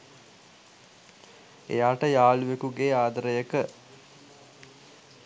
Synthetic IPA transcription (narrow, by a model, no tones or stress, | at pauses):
ḛjaːʈəjaːluʋekuɡeːaːd̪əɾəjəkə